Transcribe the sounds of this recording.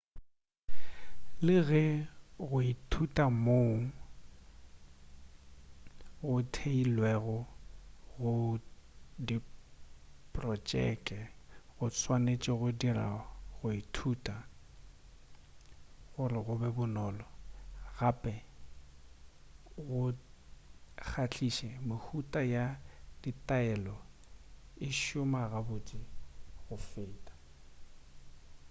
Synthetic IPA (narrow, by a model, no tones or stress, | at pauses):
lɪɣɛɣʊitʰutʼamoŋ̩ | ɣʊtʰeilwɛɣʊ | ɣʊ | di | pʼrɔt͡ʃʼɛ̰kʼɛɣʊt͡sʰwanet͡ʃʼɪɣʊdira̰ɣʊitʰuːtʼa | ɣʊrɪɣʊbɛbʊnɔːlɔɣapʼɛ | ɣʊ | k͡xʰat͡ɬʰiʃɛmʊhutʼajad̥itʼaɛlɔ | ɪʃʊmaɣabʊt͡ʃʼiɣʊfɪːtʼḁ